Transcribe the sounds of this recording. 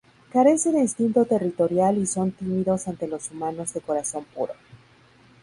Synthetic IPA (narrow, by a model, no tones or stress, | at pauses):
kaɾe̞se̞ðeist̪int̪o̞t̪e̞rit̪o̞ɾjaliso̞nt̪imiðo̞sant̪e̞lo̞sumano̞zðe̞ko̞ɾaso̞mpuɾo̞̰